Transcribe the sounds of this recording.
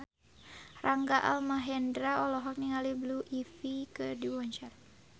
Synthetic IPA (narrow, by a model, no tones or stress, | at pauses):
rʔaŋɡaʔa̰lmaɦɛndɾaɔlɔɦɔk̚niŋalibluʔifikədiwɔɲt͡ʃar